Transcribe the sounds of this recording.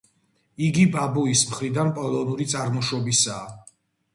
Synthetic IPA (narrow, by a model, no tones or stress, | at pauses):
iɡibabuismχɾid̪anpʼɔlˠɔnuɾit̪sʼaɾmɔʃɔbisaː